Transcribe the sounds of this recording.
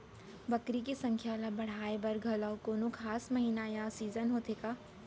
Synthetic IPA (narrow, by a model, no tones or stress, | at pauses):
bɐkɾikisɐ̃ŋkʰjaːlabɐɽ̤aːebɐɾɡʱəlawkoːnokʰaːsmɐɦiːnajasiːzənɦoːt̪ʰeːkaː